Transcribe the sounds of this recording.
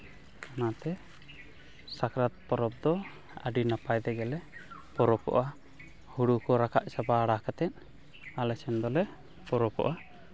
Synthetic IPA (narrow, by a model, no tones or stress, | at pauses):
anat̪ɛ | sakɾat̪̚pɔɾɔp̚d̪ɔ | ə̰ɖinapajd̪ɛɡɛlɛpɔɾɔkɔ̰ʔa | huɽukɔɾakʰaʔsabaːɽakat̪ɛn | alɛt͡ʃɛnd̪ɔlɛ | pɔɾɔkɔ̰ʔa